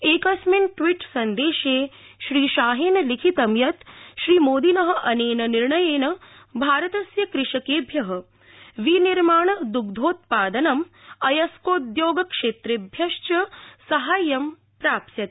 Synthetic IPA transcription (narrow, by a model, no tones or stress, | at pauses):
eːkɐsminʈʋiʈsɐnd̪eːʃeː | ʃɾiːʃaːɦeːnɐlikʰit̪ɐmjɐt̪ʃɾiːmoːd̪inɐɦɐ̆ʔɐneːnɐniɾɳɐjeːnɐ | bʱaːɾɐt̪ɐsjɐkɾɪʂɐkeːbʱjɐɦɐ̆ | ʋiniɾmaːɳɐd̪uɡd̪ʱoːt̪paːd̪ɐnɐmɐjɐskoːd̪joːɡɐkʂeːt̪ɾebʱjɐʃt͡ʃɐsɐɦaːjːɐm | pɾaːpsjɐt̪̚